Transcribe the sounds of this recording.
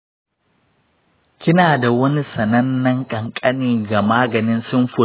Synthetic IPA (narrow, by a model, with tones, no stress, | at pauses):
kʲɪ˦naː˨da˨wɐ˦ni˦sɐ˨nɐ˦nːɐ˦ŋkʼɐ˨ŋkʼɐ˦niː˨ɡa˨maː˦ɡɐ˨nɪ˦nsʊ˦mɸʊ˨